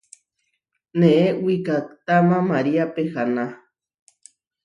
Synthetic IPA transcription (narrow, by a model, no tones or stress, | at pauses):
neʔewikakt̪amãmaɾiapehana